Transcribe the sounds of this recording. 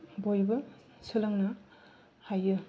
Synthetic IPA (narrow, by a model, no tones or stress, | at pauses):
bojbɯ | sɯlɐŋnɐ | hajɯ